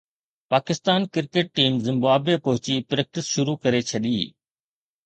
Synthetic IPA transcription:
paːkɪst̪aːnkɪɾkeʈ̚ːiːmzɪ̃mbaːbepɐɦʊt͡ɕipɾeːk̚ʈɪsʃʊɾukɐɾet͡ɕʰɐɗiː

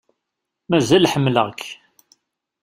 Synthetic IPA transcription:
mæzælħəmːləʁk

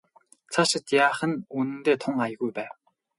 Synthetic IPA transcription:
t͡sʰaʃə̆t̪jaːχə̆nunɘ̆nt̪eːt̪ʰʊŋajə̆ɣujpæːw

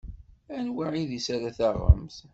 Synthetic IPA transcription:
ænwaʕiðisaɾaθaʁːə̰mθ

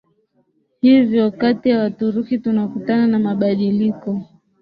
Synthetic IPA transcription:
hivjɔkatijawatuɾukitunakutananamaɓaɗilikɔ

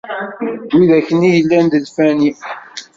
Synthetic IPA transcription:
wiðæçənijəlːænd̪əlfæni

